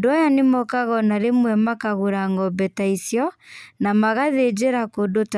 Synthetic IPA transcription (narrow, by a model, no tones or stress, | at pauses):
doajanemɔkaɣɔnaɾemwɛmakaɣoɾaŋɡɔbɛtaisjɔnamaɣaðed͡ʑeɾakodot